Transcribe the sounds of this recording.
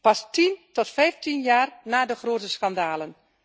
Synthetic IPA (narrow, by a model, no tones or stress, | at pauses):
pɑstintɔtfɛjftinjaːrnaːdəxroːtəskandaːlən